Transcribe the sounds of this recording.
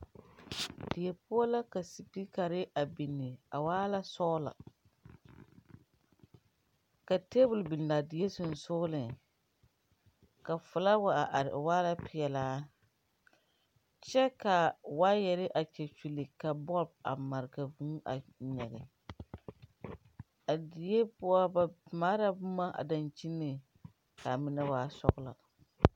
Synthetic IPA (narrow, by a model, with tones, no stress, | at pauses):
dɪ˨jɛ˨pʊ˦a˦la˦ka˨si˨pi˦ka˨ɾɪ˦ʔa˨bi˨nːɪ˨a˨waː˦la˦sɔ˦la̰˨ | ka˨te˦bʊ˨lbi˨n˨la˨dɪ˨je˦sʊ˨n˨sʊ˦ɣʊ˦lɪ˨ŋ | ka˨fʊ˨la˦wa˦˨a˨ʔa˨ɾɪ˨ʔwaː˦la˦pʰɪ˨ɛ˨laː˦ | t͡ʃɛ˦ka˨waː˦jɛ˨ɾɪ˦ʔa˨t͡ʃɛ˨t͡ʃi˨lɨ˨ka˨bɔ˦b̚a̰˨ma˨ɾɪ˨ɡa˨vu˦ŋ˦a̰˨ɲɛ˨ɡɪ˨ | a˨di˨je˦pʊ˦a˦maː˦ɾa˦bʊ˦ma˦ʔa̰˨da˨nt͡ʃi˦nːɨ˨ | ka˨mɪ˦na˦waː˦sɔ̰˦ɣʊ˦la̰˨